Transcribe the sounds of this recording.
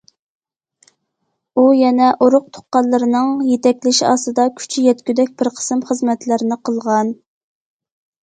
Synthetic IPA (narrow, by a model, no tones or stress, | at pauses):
ujɛnɛʔoɾʊq̚t̪ʰo̥qːɑllˠːɨɾɨnɨŋjet̪ɛkʲlɪʃiɑ̰ːsɨd̪ɑkʲʰy̥t͡ʃʰyjɛt̪kʲyd̪ɛk̚ʲb̥ɪɾqʰə̥sɨmχəzmɛt̪lɪɾɪnɪqʰəlˠʁɑn